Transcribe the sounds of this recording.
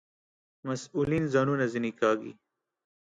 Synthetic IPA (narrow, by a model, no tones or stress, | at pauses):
mɐsuːliːnzaːnunazinikaːɡḭ